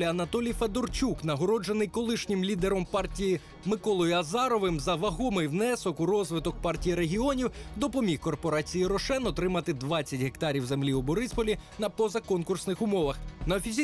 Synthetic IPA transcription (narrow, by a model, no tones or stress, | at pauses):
lʲɐɐnɐt̪ɔlʲijfed̪ɔrt͡ʃʲuknɐɦɔɾɔd͡ʒenɪjkɔlˠɪʃnʲɪmlʲid̪eɾɔmpɑrtʲiji | mɪkɔlˠɔjʊɐzɑɾɔʋɪmzɐʋɐɦɔmɪjwnɛsɔkʊɾɔzʋɪt̪ɔk̚pɑrtʲijiɾe̞ɦʲiɔnʲiwd̪ɔpɔmʲixkɔrpɔɾɑt͡sʲijiɾɔʃɛnɔt̪ɾɪmɐt̪ɪd̪ʋɑt͡sʲːɐtʲɦe̞kt̪ɑɾʲiwze̞mlʲiʊbɔɾɪspɔlʲinɐpɔzɐkɔnkʊrsnɪxʊmɔʋɐxnɐɔfʲizʲi